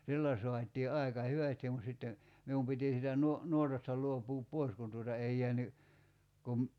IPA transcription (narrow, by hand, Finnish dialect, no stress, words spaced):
silːæ soɑt̆iː ɑˑi̞kɑ hyʋæstim mut sitːen̞ mium piti siːtæ nuo nuotɑstɑ luopˑuːp poi̞s kun tuotɑ ei jeæny kum